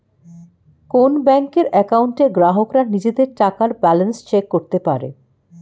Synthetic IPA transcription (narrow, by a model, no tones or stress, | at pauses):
konbɛŋkeɾɛkauɳʈeɡɾaɦokɾanid͡ʑed̪eɾʈakaɾbɛlenst͡ɕekːoɾt̪epaɾḛ